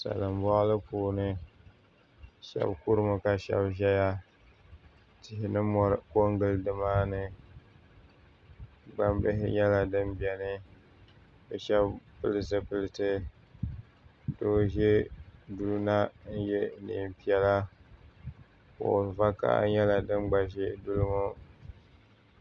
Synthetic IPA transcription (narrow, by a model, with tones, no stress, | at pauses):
sa̰˨lɨ˨mbɔ˦ʔlɨ˦puː˨nɨ˦ | ʃɛ̰˦bku˦ɾɨ˦ma˨ka˨ʃɛ̰˦bʒɛ˦ja˦ | tɪ˨ɦɪ˨nɨ˦mɔ˦ɾko˦ŋɡɨ˦ldɨ˦maː˦nɨ˨ | ɡ͡ba˦mbɪ˦ɦɪ̰˦ɲɛ˦la˨dɨ˦mbi˨ɛ˨nɨ˦ | bɨ˨ʃɛ˦bpɨ˦lɨ˦s̬ɨ˦pɨ˨lɨ˨tɨ˦ | do˦ʒe˦du˦lna˦n̩˦jɛ˦nḭ˨m˨pi˦ɛ˨la˦ | ko̰˨va˦ka̰˦ɲɛ˦la˨dɨ˦mɡ͡ba˨ʃɪ˦du˦lɨ˦mʊ˦